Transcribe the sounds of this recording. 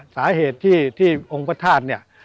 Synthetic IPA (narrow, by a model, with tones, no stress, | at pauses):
saː˩˦heː˨˩t̪ʰːiː˥˩t̪ʰːiː˥˩ʔo˧ŋpʰa˧t̪ʰaː˥˩t̪̚ni˥˩ɐ